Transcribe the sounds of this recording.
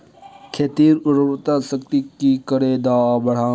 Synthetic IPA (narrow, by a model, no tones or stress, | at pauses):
kʰeːt̪iːɾʊɾbt̪asək̚t̪ikikəɽed̪aːbəɽ̤ãː